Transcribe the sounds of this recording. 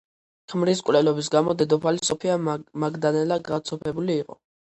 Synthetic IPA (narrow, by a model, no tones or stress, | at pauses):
kʰmɾiskʼwlɛlɔbis̬ɡamɔd̪ɛd̪ɔpʰalisɔpʰiamaɡd̪anɛlaɡat̪sʰɔpʰɛbuliːqʼɔ̰